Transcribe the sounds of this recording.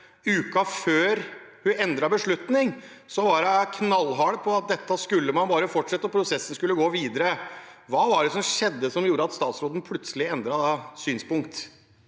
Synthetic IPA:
ʉːkɑføːɾhʉnɛnd̪ɾɑbəʂɭʉt̪nɪŋ | sɔʋɑɾɑkʰnɑlːɦɑɽəpʰɔɑt̪̚d̪ɛt̪ːəskʉlːəmɑnbɑːɾəfɔʈʂɛt̪ːɔpʰɾʊsɛsːən̩skʉlːəɡoːʋiːd̪əɾəʋɑːʋɑɖɛsɔmʂɛd̪ːəsɔmjuːɾəɑt̪st̪ɑːt̪sɾoːd̪ən̩pʰlʉt̪səlɪɛnd̪ɾɑsyːnspʊŋk̚t̪

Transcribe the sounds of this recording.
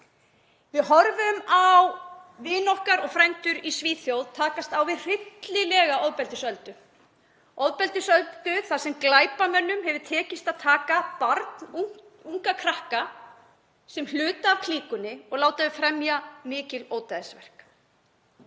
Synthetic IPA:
vɪðhɔɾvʏmawvɪːnɔhkaɾɔɣfɾajnt̪ʏɾisviːθjowðt̪ʰaːkast̪awvɪðr̥ɪt̪lɪlɛːɣaɔwðpɛlt̪ɪsœlt̪ʏ | owðpɛlt̪ɪsœlt̪ʏθasɛmklaːjpamœnːʏmhɛvʏɾt̪ʰɛːcɪst̪aðt̪ʰaːkapaɾt̪nuŋ̥ | uŋkakʰɾahka | sɛmlʏːt̪aːvkʰliːkʏnːɪɔɣlaːwt̪aðɪfɾɛmjamɪːcɪloːwt̪aðɪsvɛr̥k

